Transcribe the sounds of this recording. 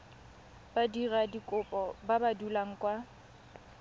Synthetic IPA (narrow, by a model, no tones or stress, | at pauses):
b̥adiradikʼʊpʼɔbabadulaŋ̩kʼwa